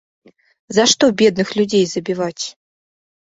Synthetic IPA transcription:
zaʂt̪ɔbʲɛd̪̚nɨxlʲud͡zʲejzɐbʲivat͡sʲ

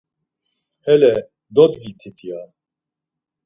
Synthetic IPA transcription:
hɛlɛ | d̪ɔd̪ɡit̪ʰit̪ʰija

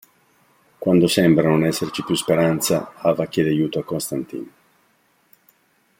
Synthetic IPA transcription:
kwand̪osɛmbɾanonɛsːert͡ʃipjuspeɾant̪sa̰aːvakːelajuːt̪oakːonst̪ant̪ḭːn

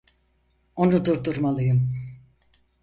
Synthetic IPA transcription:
o̞nud̪uɾd̪uɾmalˠɯjɯm

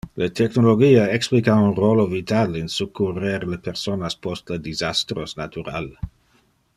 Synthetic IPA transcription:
let̪ʰɛknoloɡiːaeksplikaunroːlovit̪alinsukːureɾlepeʁsonaspostled̪izast̪ɾosnat̪uɾa̰l

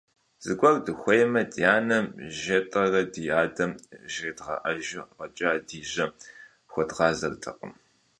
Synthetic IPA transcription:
z̥ɨɡʷʼɔrdɨxʷɔjmɐdjaːnɐmʒɐtʼɐrɐdijaːdɐmʒeːdʁɐ̰ʔɐʒɪʁɐt͡ʃʼaːdiːʑɐ | xʷɔdʁɑːzɐrtʰɨ̰qʼə̰m

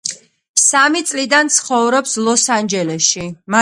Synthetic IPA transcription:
samit̪sʼlid̪ant̪sʰχɔvɾɔpslˠɔsand͡ʒɛlɛsʃima

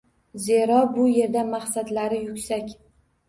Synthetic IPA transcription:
zeɾɒbʊje̞ɾd̪amaχsad̪laɾɪjʊkʲsakʲ

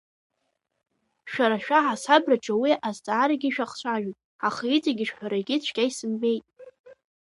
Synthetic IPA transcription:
ʃᶣaɾaʃᶣaʕasabraʈ͡ʂʼawiʔazt͡sʼaːɾaɡʲiʃᶣaχt͡ɕʷʰʼaʒᶣitʼ | aχait͡sʼaɡʲɪʂħʷᶣaɾaɡʲɪt͡ɕʷʰkʲajsɨmbe̞jtʼ

